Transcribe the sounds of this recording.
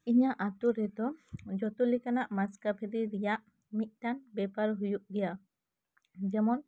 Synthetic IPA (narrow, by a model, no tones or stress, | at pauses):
iɲaʔat̪uɾɛd̪ɔd͡ʒɔt̪ulikanaʔmaskapʰɛɾiɾɛjaʔ | mic̪̚ˀt̪anbɛpaɾɦujuʔɡɛja | d͡ʒɛmɔn